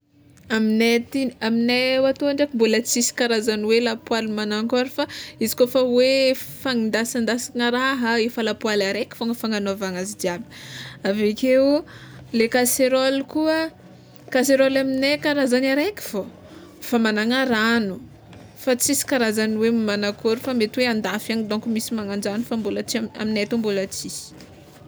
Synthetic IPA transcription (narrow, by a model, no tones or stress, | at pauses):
aminet̪iaminewat̪oaɳɖ͡ʐakimbolat͡sisi̥kaɾazaniwelapwalimanaŋkaɾifaizi̥kofawefaŋind̪asand̪asaŋəɾaɦəefəlapwalaɾekʲi̥foŋəfaŋanoavaŋazid̪iabi̥avekewlekaseɾɔlkuə | kaseɾɔlaminekaɾazanaɾekʲi̥fo | famanaŋaɾanu | fat͡sisi̥kaɾazaniwemmanakoɾifamet̪weand̪afaŋid̪oŋkumisimaŋand͡ʒanufambulat͡siaa̰minet̪ambulat͡si̥